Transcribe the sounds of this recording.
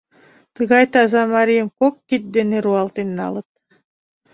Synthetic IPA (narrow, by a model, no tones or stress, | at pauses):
t̪ɯɣɑjt̪ɑzɑmaɾimkokːit̪̚d̪eneɾuɑlˠt̪ɯninɑ̰lˠɯt̪̚